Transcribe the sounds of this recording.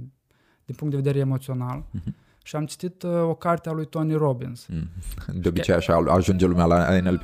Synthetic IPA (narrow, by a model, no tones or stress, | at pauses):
d̪inpuŋkt̪d̪eved̪eɾeemo̞t̪sio̞nal | ʃiamt͡ʃi̥t̪it̪o̞kart̪ealujt̪o̞niro̞binz̥ | d̪eobit͡ʃejaʃaaʒund͡ʒelumjala̰enel